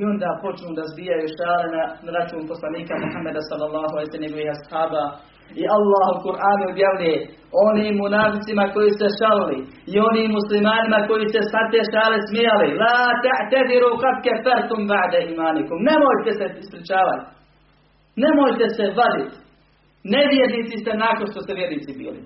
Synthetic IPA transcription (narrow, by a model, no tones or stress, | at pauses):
io̞nd̪aːpo̞t͡ʃnuːd̪azbijajuʃaːlenaɾat͡ʃuːnposlaniːkamuħamːed̪asɑlːalˠːɑːɦualejseneɡoʋiːhashaːbaː | iʔalːaːhokuɾʔaːnuubjaʋʎuje | oniːmːunaːfisimako̞jisut̪eʃaliliio̞niːmːuslimaːnimako̞jisesat̪eːʃaːlismijalilaːt̪aʕt̪ad̪iɾuːqad̪kɛfaɾt̪umbaʕd̪aiːmaːnikumne̞mojt̪eseispɾit͡ʃaːʋat̪ | ne̞mojt̪esebad̪it̪ | neʋjed̪niːt̪sist̪enakonʃt̪oseʋjed̪niːt̪sibḭːlḭ